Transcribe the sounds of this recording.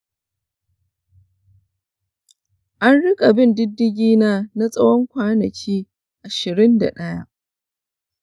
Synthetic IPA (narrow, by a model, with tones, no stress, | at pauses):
ʔa˦nɽɪ˦kʼa˨bɪ˦˨ndɪ˦dːɪ˦ɡʲiː˦naː˦na˦sʼɐ˦wɔ˦ŋkʷaː˦nɐ˨kʲʰiː˦ | ʔa˨ʃɪ˨ɾɪ˦nda̰˨ɗɐ˦ja˦ʔ